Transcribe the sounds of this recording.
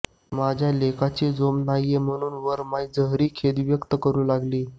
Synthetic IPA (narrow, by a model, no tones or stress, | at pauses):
mad͡ʑʱjalekat͡ɕid͡zomnajem̤əɽ̃uːnʋəɾmaid͡zəɦɾiːkʰed̪ʋjəkt̪əkəɾuːlaɡliː